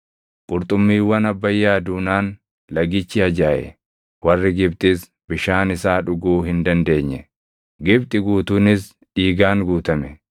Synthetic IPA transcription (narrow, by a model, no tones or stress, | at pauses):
kʼʊɾt̪ʼʊmːiːwɐnɐbːɐjːaːd̪uːnaːn | lɐɡɪt͡ʃːɪɐd͡ʒaːʔɛ̰ | wɐrːɪɡɪbt̪ʼɪs | bɪʃaːnɪsaːᶑʊɡuːhɪnd̪ɐnd̪e̞ːɲːɛ | ɡɪbt̪ʼɪɡuːt̪uːnɪs | iːɡaːŋɡuːt̪ɐmɛ